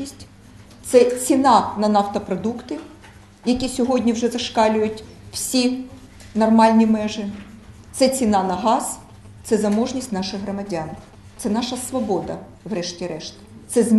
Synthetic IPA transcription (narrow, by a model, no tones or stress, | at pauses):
isʲtʲ | t̪sɛt͡sʲinɑnɐnɑwt̪ɐpɾɔd̪ukt̪ɪ | jɐkʲisʲɔɦɔdʲnʲiwʒɛzɐʃkɑlʲʊjʊtʲw̥sʲi | nɔrmɑlʲnʲimɛʒɪt̪sɛt͡sʲinɑnɐɦɑz̥ | t̪sɛzɐmɔʒnʲisʲtʲnɑʃɪɣɦrɔmɐdʲan | t̪sɛnɑʃɐsʋɔbɔd̪ɐ̰ | wrɛʃtʲiɾɛʃt̪ɐ̥t̪sɛzmʲ